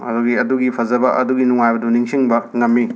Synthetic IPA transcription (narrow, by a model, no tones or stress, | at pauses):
ɐ̰duɡiɐduɡipʰɐzɐbɐʔɐ̰duɡinuŋajbɐduniŋsiŋbɐŋɐmːi